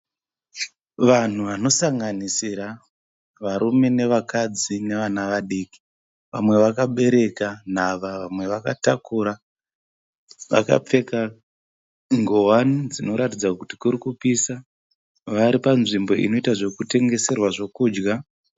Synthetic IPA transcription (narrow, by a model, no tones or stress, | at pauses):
ʋan̤uʋano̞saŋɡanisiɾa | ʋaɾume̞ne̞ʋakad͡zine̞ʋanaʋaɗiːki̥ | ʋa̰mwe̞ʋakaɓe̞ɾe̞kan̤aʋaʋamwe̞ʋakatakuɾa | ʋa̰ka̰p͡fe̞ka | ŋɡo̞wanid͡zino̞ɾatid͡zakutikuɾikupiːsa | ʋaɾipanʐimbo̞ḭno̞itaʐo̞kute̞ŋɡe̞se̞rwaʐo̞kuːd͡ʒɡa